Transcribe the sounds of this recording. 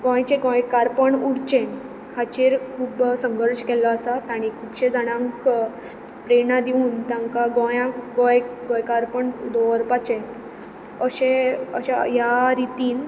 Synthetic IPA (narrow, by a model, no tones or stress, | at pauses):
ɡɔ̃jt͡ɕeɡɔ̃jkaɾpəɳuɽt͡ɕẽn | kʰat͡ɕeɾkʰuːbsəŋɡəɾɕkɛlaəsat̪aɽ̃ikʰuːbɕẽd͡zaɽ̃ãŋk | pɾenad̪iuːnt̪ãŋkaɡɔ̃jãɡɔ̃jɡɔ̃jkaɾpəɳd̪ɔəɾpat͡ɕẽn | əɕẽə̰ɕajaɾit̪iːn